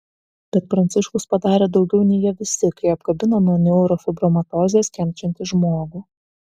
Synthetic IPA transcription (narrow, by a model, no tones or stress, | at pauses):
b̥ʲɛt̪̚pɾɐnʲt̪sʲɪʃkʊspɐd̪ɑːɾʲeːd̪ɒʊɡʲɛʊnʲɛɪjiɛʋʲɪsʲɪkɐɪɐpɡ̥ɐbʲɪnonuɔnʲɛʊɾɔfʲɪbɾɔmɐt̪ɔːzʲeskʲɛmʲt͡ʃʲɛnʲt̪ʲɪʒmoːɡuː